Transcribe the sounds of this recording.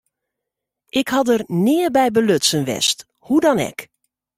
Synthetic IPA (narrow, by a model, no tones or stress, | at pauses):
ʔɪkhɑdərnɪəbɛjbəløsənʋɛ̰st | hudɔnɛ̰k